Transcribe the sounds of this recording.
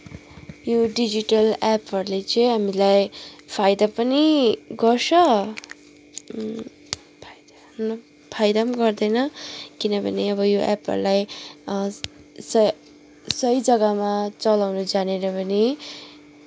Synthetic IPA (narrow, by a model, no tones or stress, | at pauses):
joɖid͡ziʈʌlapɦʌɾulet͡sʌjɦamilajpʰajd̪apʌniɡʌrsʰʌ | pʰd̪ | nʌ | pʰajd̪amaɡʌrd̪ʌjnʌkinʌbʱʌ̰neʌβʌjoʔa̰pɦʌ̰ɾulaj | sʌ | sʌjd͡zʌɡamat͡sʌlawnʌd͡zaneɾʌbʌni